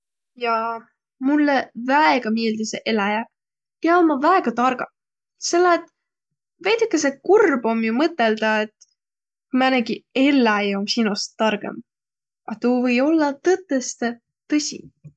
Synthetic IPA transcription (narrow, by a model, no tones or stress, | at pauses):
jɑ | mulːevæeɡ̥ɑmeːld̪iseʔe̞læjæk | jɑmːɑvæeɡ̥ɑt̪ɑrɡ̥ɑ | selːɑet̪ | vejt̪ikːˑesekurbo̞mjumɤt̪ːˑe̞ld̪̥ɑet̪ː | kumæneɡie̞lːæejomsinust̪ːɑrɡ̥ḛm | ɑt̪uvɤjo̞lːɑt̪ɤt̪ːˑest̪e | t̪ɤsʲḭ